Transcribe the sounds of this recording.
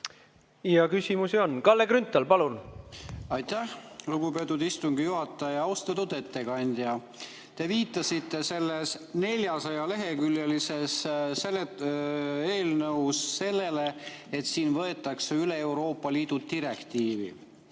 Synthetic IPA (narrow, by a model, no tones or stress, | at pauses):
jɑkysʲimusio̞nkɑlːekɾynt̪ːˑɑlpɑlun | ɑjt̪æhluɡ̥ube̞ːt̪ːˑud̪ist̪uŋɡ̥ijuɦɑt̪ˑːɑjjɑɑwst̪ɑt̪ud̪e̞t̪ːe̞kɑnʲd̪̥jɑ | t̪e̞viːt̪ːˑɑsit̪ˑːe̞se̞lːesne̞lʲjɑsɑjɑle̞ɦe̞kyljelise̞ssele | e̞ːlnɤuwsːe̞lːe̞le̞ | et̪siːnvɤ̞e̞t̪ːˑɑkseyle̞ewɾo̞ːpːˑɑliːd̪̥ut̪iɾe̞kt̪iːvḭ